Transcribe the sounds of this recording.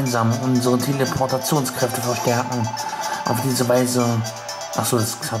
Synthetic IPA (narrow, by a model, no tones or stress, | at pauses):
ɪnzaːmʔʊnzəʁətʰelepʰɔɐtat͡sjoːnskʁ̥ɛftəfɛɐʃtɛɐkŋ̩ʔa̰ʊfd̥iːzəvaɪzə | ʔaχz̥oːdasa